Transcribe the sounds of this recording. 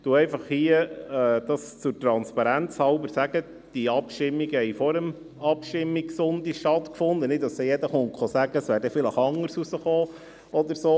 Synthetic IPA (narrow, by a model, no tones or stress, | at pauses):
d̥uɛɪfɑχhiəɛːd̥̪ɑst͡sʊɾtɾɑnspɑɾænt͡shɑlbəɾsæɡ̥ə | d̪̥iɑpʃtɪmːiɡəhɛɪfɔɾəm | ɑpʃtɪmːiksʊnd̪iʃtɑt̪kfʊnd̪ənɪt̪dɑsɛjɛd̪əχʊŋkχɔsæɡəsʋæːɾdɛfɪləχɑŋːəɾsusəχoː | ɔd̪əɾsoː